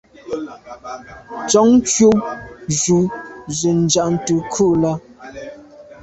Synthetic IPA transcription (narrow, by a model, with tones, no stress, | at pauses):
t͡ʃɔ˨˦ŋ˦t͡ʃjo˦ʒu˨zə˨n̩˨d͡ʒa˨ʔn̩˦tə˨kʰu˦ʔla˦